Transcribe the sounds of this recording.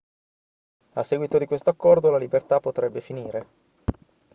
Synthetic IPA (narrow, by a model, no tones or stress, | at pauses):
asːɛɡwit̪od̪ikwest̪oakːɔrd̪olalibert̪apːot̪ɾɛbːefiniːɾe